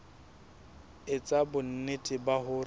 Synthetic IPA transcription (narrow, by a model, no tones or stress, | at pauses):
ɪt͡sʼabʊn̩netʼɪbahʊr